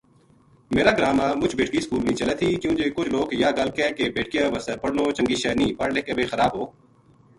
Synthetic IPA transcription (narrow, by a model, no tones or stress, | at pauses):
meːɾaːɡɾaːmaːmʊt͡ʃʰbeːʈkiːskuːlnĩːt͡ʃəlet̪ʰiːkjũːd͡ʒeːkʊt͡ʃʰloːkjaːɡəlkɛːkebeːʈkijãːʋəsəɾpəɽnõːt͡ʃə̃ŋɡiːʃɛːnĩːpəɽleːkebeːxəɾaːbɦoː